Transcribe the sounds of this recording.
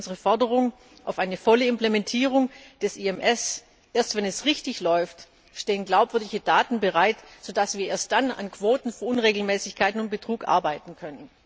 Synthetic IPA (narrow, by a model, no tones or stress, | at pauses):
nzəʁəfɔɐdəʁ̞ʊŋ | ʔa̰ʊfʔaɪnəfɔləɪmplemɛntʰiːʁʊŋd̥ɛsʔiɛmʔɛs | ʔeːɐstvɛnɛsʁɪçtɪçlɔʏft | ʃteːənɡlaʊpv̥ʏɐdɪçədaːtn̩bəʁaɪtz̥oːdasv̥iːɐʔeːɐst̚d̥ana̰nkv̥oːtn̩fyːɐʔʊnʁeːɡl̩mɛːsɪçkʰaɪtnʊnt̚b̥ətʁ̥uːkʔa̰ɐbaɪtn̩kʰœnən